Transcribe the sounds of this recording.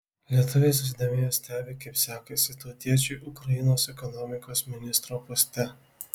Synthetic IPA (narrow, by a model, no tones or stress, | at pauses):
lʲiɛt̪ʊʋʲeɪs̬ʊsʲɪd̪ɐmʲejoːsʲt̪ʲæːʋʲeːkɐɪpsʲæːkɐsʲɪt̪oːt̪ʲiɛt͡ʃʲʊɪʔʊkɾɐjɪnoːsɛkɔnɔmʲɪkoːsmʲɪnʲɪst̪ɾoːposʲt̪ʲɛ